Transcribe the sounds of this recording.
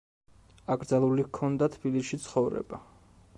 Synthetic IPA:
aɡɾd̪zalˠulikʰɔnd̪at̪ʰb̥iliʃit̪sʰχɔvɾɛ̰ba

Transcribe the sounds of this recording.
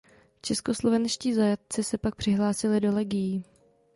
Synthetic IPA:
t͡ʃɛsko̞slo̞vɛnʃciːzajat̪̚t͡sɪsɛpak̚pr̝̥ɪɦlaːsɪlɪdo̞lɛɡɪjiː

